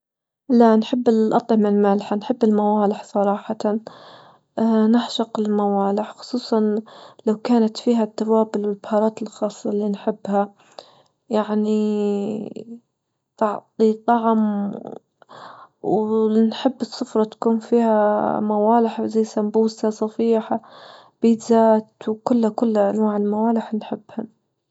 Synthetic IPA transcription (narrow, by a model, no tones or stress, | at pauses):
laʔnħɪbːɪʔɑt̪ˤʕɪmɪlmaːlħanħɪbːɪlmawaːlɪħsˤɑɾˤɑːħɑt̪an | nɪħʃɑqɪlmawaːlɪħxʊ̥sˤuːsˤɑnlawkaːnat̪fiːɦat̪ːawaːbʊlwɪlbhɑːɾˤɑːt̪ɪlxɑːsˤːɑlinħɪbːha | jaʕni | t̪ɑʕt̪ˤit̪ˤɑʕm | wnħɪbːɨsˤːʊfɾˤɑt̪kuːnfiːhamawaːlɪħzajːsambuːsasˤɑfiːħa | b̥it̪zaːt̪wkʊlːhakʊlːaʔanwaːʕɪlmawaːlɪħnħɪbːha